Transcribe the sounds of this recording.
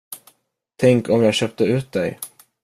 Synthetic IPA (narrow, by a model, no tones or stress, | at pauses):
t̪ʰɛŋkɔmjaːɡɕœp̚t̪əʉ̟ːt̪̚d̪ɛj